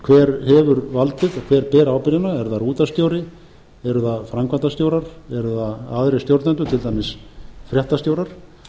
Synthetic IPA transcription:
kʰvɛːɾhɛvʏɾvalt̪ɪðakʰvɛːɾpɛːɾaːwpɪɾɪnaɛɾðaruːt̪ast̪jowɾɪ | ɛɾʏðafɾamkʰvant̪ast̪joːwɾaɾ̥ɛɾʏðaaðɾest̪jowɾt̪nɛnt̪ʏt̪ʰɪlt̪ajmɪsfɾjɛht̪ast̪jowɾaɾ̥

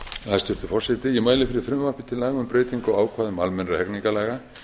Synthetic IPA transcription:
haðst̪ʏr̥t̪ʏfɔr̥sɛt̪ɪjɛmaːjlɪfɪɾɪɾ̥fɾʏmvarpɪ̥t̪ʰɪlaːɣʏmpɾeːjt̪iŋkɔwaːwkʰvaːðʏmalmɛnɾahɛkniŋkalɛɣa

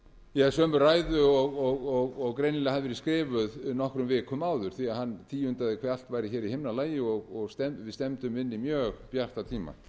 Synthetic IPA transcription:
jɛsœːmʏɾraːjðʏɔɣɔɣɔɣɔɣkɾejnlɛɣhaðɪvɛɾɪskɾɪːvʏðnɔhkɾʏmvɪːkʰʏmaːwðʏɾ̥θiaðhanːt̪ʰiːʏnt̪aðɪkʰvɛːɾal̥t̪vaːjɾɪçɛːɾihɪmnalaːjɪɔɣɔɣst̪ɛvɪst̪ɛmt̪ʏmɪnːimjœːɣpjar̥t̪at̪ʰiːma̰

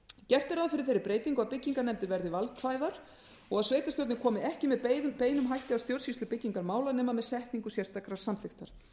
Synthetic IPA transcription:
cɛr̥t̪ɪɾaðfɪɾɪθejɾɪɾpɾeːjt̪iŋkʏaðpɪcːiŋkaɾnɛmt̪ɪɾvɛɾðɪvalt̪faːjðaɾ | ɔɣaðsveːjt̪ast̪œwɾt̪nɪkʰɔːmɪɛhcɪmɛðpeːjnʏmɦajhcɪawst̪jowɾ̥sist̪ʏpɪcːiŋkaɾmaːwlanɛːmamɛðsɛht̪niŋkʏsjɛ̥st̪akɾaɾ̥samθɪxt̪aɾ̥

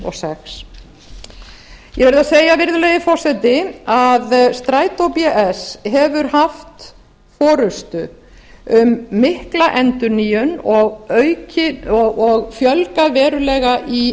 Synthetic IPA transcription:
ɔ̰sɛxs | jɛvɛɾðaseːjavɪɾðʏlejðɪfɔr̥sɛt̪ɪaðst̪ɾaːjt̪owpjaʔɛsɦɛvʏɾhaft̪ | fɔːɾʏst̪ʏ | ʏmːɪhklaʔɛnt̪ʏnijʏnɔɣœɥcɪɔɔɣfjœlkaðvɛːɾʏlɛːɣaʔi

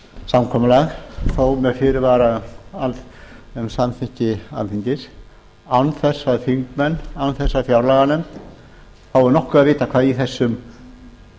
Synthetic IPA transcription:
samkʰɔːmʏlaɣθowmɛðfɪɾɪɾvaɾaaltɛmsamθiɲ̥cɪa̰nθiɲcɪɾ̥ | anθɛsːaðfiŋkmɛnːanθɛsːaðfjawɾlaɣanʏm | θawɛɾnɔhkʏaðvɪːt̪akʰvaːðiθɛsːʏm

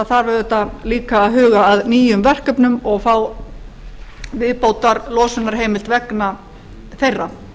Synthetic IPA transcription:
θaɾvɛɾðɛt̪ːaliːkaːðɦʏːɣaːðniːjʏmvɛr̥kœpnʏmɔɣθaw | vɪðpoːwt̪aɾlɔːsɪnːaɾ̥ɦejmɪlt̪vɛkna | θejra

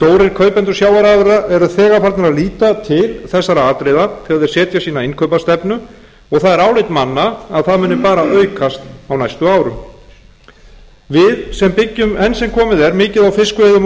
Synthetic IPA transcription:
t̪oːwɾɪɾkʰœːɥpɛnt̪ʏ̥sjaːwaɾaːðʏɾaʔɛɾaðθɛːɣapʰaɾt̪naɾaðliːt̪at̪ʰɪlθɛsːaɾaaːt̪ɾɪːðat̪ʰɪaðvɪɾ̥sɛːt̪jasiːnaɪnkʰœɥpast̪ɛpnʏ | ɔɣθaðɛɾaːwlɪjt̪manːaːðθaðmʏːnɪpaːɾaœɥkʰast̪awnajst̪ʏaːwɾʏm | vɪðsɛmpɪcːʏmɛnsɛmkʰɔːmɪðɛɾmɪːcɪðawfɪskvɛðʏm

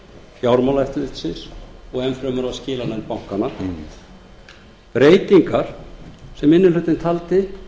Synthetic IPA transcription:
fjaːwɾmawlɛft̪lɪt̪sɪnsɔɣɛnfɾœmʏɾaðscɪːlanɛnpawŋ̥kanːa | pɾeːjt̪iŋkaɾ̥sɛmɪnːɪnlʏːt̪ɪnt̪ʰalt̪ɪ

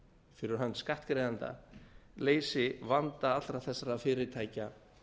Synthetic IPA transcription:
fɪɾɪɾ̥ɦanːskaht̪kɾejðant̪a̰leːjsɪvant̪aat̪ɾaθɛsːaɾafɪːɾɪɾt̪ʰaːjca

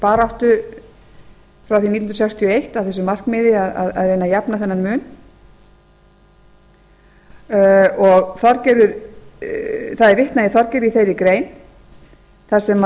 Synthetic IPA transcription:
paːɾawht̪ʏ | fɾawθinit̪nɾsɛkst̪ʰiɔejht̪avθɛsʏmar̥kmɪːðɪaða̰ða̰ðrejnajapnaθɛnːanmʏːn | ɔɣθaɾcɛːɾʏɾ | θaðɛɾvɪht̪najɪθaɾcɛːɾiθejɾɪkɾeːjn | θaɾ̥sɛm

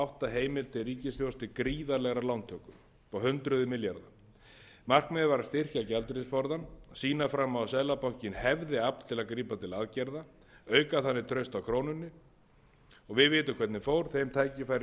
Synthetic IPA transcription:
awht̪aɦeːjmɪlt̪ʰɪriːcɪsfjowst̪ɪkɾiːðalɛɣɾalawnt̪ʰœkʏm | pawɦʏnt̪ɾʏðʏmɪljaɾða | mar̥kmɛðvaɾast̪ɪr̥cacɛlt̪ɾɪsfɔɾðansiːnafɾamːawsɛðlapawhcɪnhɛvðɪap̪t̪ʰɪlaðkɾiːpat̪ʰɪlaðcɛɾða | œːɥkaθanːɪt̪ʰɾœɥst̪awkʰɾoːwnʏnːʏ | ɔɣvɪðvɪːt̪ʏkʰvɛɾt̪nɪfowɾ̥θejmt̪ʰaːjcɪfajɾɪ

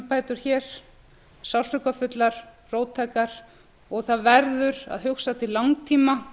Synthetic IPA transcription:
paːjt̪ʏɾ̥çɛːɾ̥ | sawsʏkafʏt̪laɾ̥ | roːwt̪ʰaːjkaɾ̥ | ɔɣθaðvɛɾðʏɾa̰ðɦʏxsat̪ʰɪlaŋt̪ʰiːma

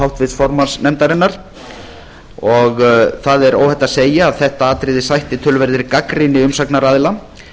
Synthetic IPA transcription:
awht̪vɪðfɔɾmansnɛmt̪aɾɪnːaɾ̥ | ɔɣθaðɛɾo̰ːwhɛt̪aseːjaːðθɛht̪aaːt̪ɾɪðɪsajht̪ɪt̪ʰʏlvɛɾðɪɾkakɾinɪʏmsaknaɾaːðɪla

